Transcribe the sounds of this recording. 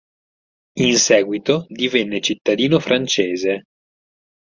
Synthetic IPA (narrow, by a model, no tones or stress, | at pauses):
insɛːɡwit̪od̪ivenːet͡ʃit̪ːad̪iːnofɾʔant͡ʃeːze